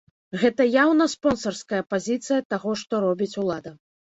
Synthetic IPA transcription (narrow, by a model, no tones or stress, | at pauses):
ɣɛt̪ɐjawnɐspɔnsɐrskɐjɐpazʲit̪sɨjɐt̪aɣɔʂt̪ɔɾɔbʲit͡sʲulˠad̪ɐ